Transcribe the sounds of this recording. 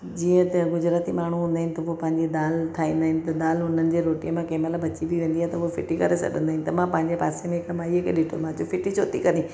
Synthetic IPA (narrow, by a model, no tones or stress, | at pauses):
d͡ʑiːə̃t̪eɡʊd͡ʑɾaːt̪imaːɳ̤uɦũːnd̪aːɦɪnɪt̪ɐuopɐ̃ɦɪ̃ɲd͡ʑed̪aːlt̪ʰaːĩːn̆d̪aːɦɪnɪ̆t̪ɐd̪aːlɦʊn̤ənɪ̆d͡ʑeːɾoːʈijəmãkɐɦɪ̃mɐlabɐt͡ɕibiʋẽːnd̪iaːet̪ɐʊofɪʈikɐɾesɐ̰ɠə̃nd̪aɦɪnɪ̆t̪ɐmãpɐ̃ɦɪ̃ɲd͡ʑepaːsemẽɪkəmaːiɦekeɗɪʈʰomãd͡ʑofɪʈit͡ɕʰoːt̪ikɐɾi